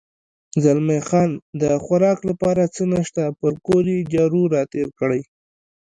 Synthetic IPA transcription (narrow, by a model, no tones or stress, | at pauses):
zalmexɑnd̪əxwaɾɑklapɑɾat͡sənəʃt̪apəɾkoɾed͡ʒɑɾuɾɑt̪eɾkɽəj